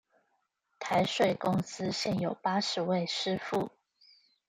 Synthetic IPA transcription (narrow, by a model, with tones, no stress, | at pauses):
t̪ʰa˧˦ɪʂwe˥˩ɪkʊ˥ŋsɹ̩˥˦ɕjɛ˥˩njo˨˩ʊpa˥ʂɻ̩˨˧˦we˥˧ɪʂɻ̩˥fu˥˩